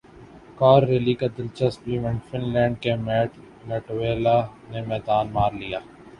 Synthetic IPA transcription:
kaːɾːeːlikad̪ɪlt͡ʃəstbiʋɪ̃ɳɖfɪnlɛ̃ːɳɖ̚kemɛːʈʰ | lɛʈʋeːlanemɛːd̪aːnmaːɾlijaː

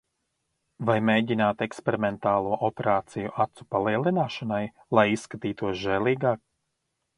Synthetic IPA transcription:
vajmeːɟinaːt̪ekspeɾimɛnt̪aːlˠuɔʔɔpeɾaːt̪sijuʔat̪su̥palˠiɛlˠinaːʃanaj | lˠajisːkat̪iːt̪uɔsʒɛlˠiːɡaːk̚

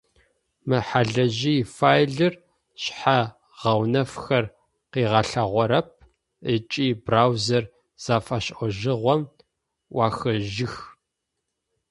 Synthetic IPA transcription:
mɨħaɮɐʑiːfaːjɮɨr | ɕħa | ʁ̥ɐwnɐfxɐr | qiːʁɐɬɐʁʷɔɾɐp̚ | ət͡ʃʼiːbraːwzɐr | z̥aːfaɕʔɔʒɪʁʷɔm | wʷɑːxɐʒɪx

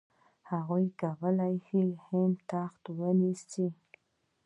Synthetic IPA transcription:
haɣujkawəlajhihɪmt̪axt̪wənisti

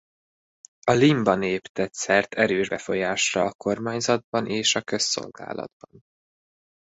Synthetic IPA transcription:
ɒlimbɒneːpt̪ɛt̪sɛrt̪ʰɛɾøːʒbɛfo̞jaːʃrɒɒko̞rmaːɲzɒd̪̚bɒnʔeːʃɒkø̞sːo̞̰lɡa̰ːlɒ̰d̪̚bɒn

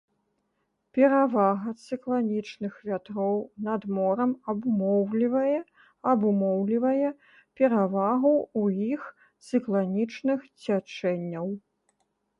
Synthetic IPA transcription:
pʲɛɾavaɣɐt̪sɨklˠanʲit͡ʂnɨxvʲat̪ɾɔwnɐd̪mɔɾɐmɐbumɔwlʲivɐjɛ | ɐbumɔwlʲivɐjɛ | pʲɛɾavaɣuuix | t̪sɨklˠanʲit͡ʂnɨxt͡sʲat͡ʂɛnʲːɐw

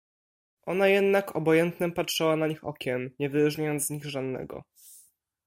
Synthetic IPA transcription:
ʔɔnajɛd̪nakʰɔbɔjɛnt̪nɛpatʂɛwanaɲixɔ̰kʲʰɛmɲɛvɘɾuʐɲajɔnt̪zzɲiɣʐad̪nɛ̰ɡɔ̰

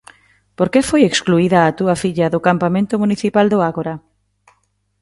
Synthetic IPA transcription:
poɾkefojekskluiðɐːt̪uɐfiʎɐðʊkampamẽnt̪ʊmuniθipald̪ʊaɣoɾa

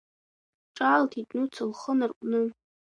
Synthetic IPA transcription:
ʈ͡ʂʼaːltʰitʼnut͡sʰɨlχənarkʷʼnɨ

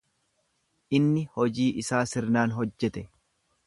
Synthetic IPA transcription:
ʔɪnːɪhɔd͡ʒiːʔɪsaːsɪɾnaːnɦɔd͡ʒːɛt̪ɛ

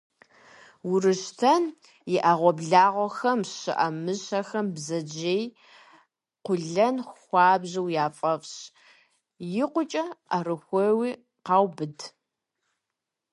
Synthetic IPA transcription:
wʊɾɨʃtʰɐn | jɪʔaʁʷɔbɮaːʁʷɔxɐmɕɨ̰ʔɐmɨɕɐxɐmbzɐd͡ʒeːj | qʷʊɮɐnxʷɑːbʑɐwjaːfʼɐfɕ | jɪqʷʊt͡ʃʼɐʔarɨxʷewiː | qɑːwbɨd

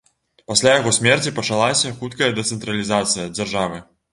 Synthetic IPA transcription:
pasʲlʲajaɣɔsʲmʲɛrt͡sʲipɐt͡ʂalˠasʲɐxut̪kɐjɐd̪ɛt̪sɛnt̪ɾɐlʲizat̪sɨjɐd͡zʲarʐavɨ

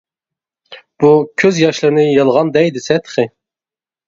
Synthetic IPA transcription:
b̥ukʲʰøzjɑʃlˠɨɾnɨjɑlˠʁɑnd̪ɛjd̪ɪsɛt̪ʰχɪ

